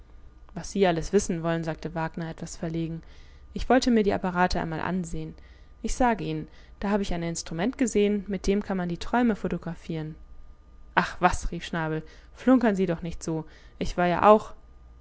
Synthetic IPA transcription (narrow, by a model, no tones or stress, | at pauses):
vasz̥iːʔaləsv̥ɪsn̩vɔlənzaːk̚tʰəvaːɡnɐʔɛtv̥asfɛɐleːɡŋ̩ | ʔɪçv̥ɔltəmiːɐɾiːʔa̰paʁaːtəʔaɪnmaːlʔa̰nzeːən | ʔɪçz̥aːɡəʔiːnən | d̥aːhaːbəɪçaɪnɪnstʁ̥umɛntɡ̥əzeːənmɪt̚d̥eːmkʰanmandiːtʁ̥ɔʏməfotoɡʁafiːʁən | ʔaχv̥asʁiːfʃnaːbl̩ | flʊŋkɐnziːdɔχnɪçtz̥oː | ʔɪçv̥aːɐja̰ːʔa̰ʊx